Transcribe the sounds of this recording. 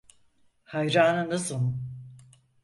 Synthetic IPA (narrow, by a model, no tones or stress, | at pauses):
hajɾaːnɯnasɯ